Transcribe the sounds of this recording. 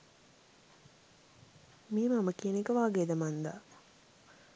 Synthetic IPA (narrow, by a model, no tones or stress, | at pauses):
miːmaməkiənekəʋaːɡeːd̪əmand̪a̰